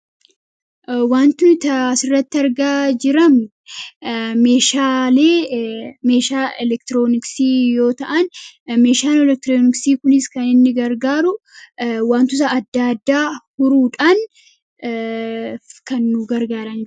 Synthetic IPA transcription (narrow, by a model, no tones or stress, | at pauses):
waːnt̪ʊt̪ɐɐsɪrːɐt̪ːɪɐɾɡaːd͡ʒɪɾɐmʊ | me̞ːʃaːleːme̞ːʃaːɛlɛkt̪ɪɾoːnɪksiːjo̞ːt̪ɐʔɐnme̞ːʃaːnɛlɛk̚t̪ɾoːnɪksiːkʊnɪskɐnɪnːɪɡɐɾɡaːɾʊ | waːnt̪ʊsɐɐd̪ːad̪ːaːhʊɾuːᶑɐn | kɐnːʊɡɐɾɡaːɾɐn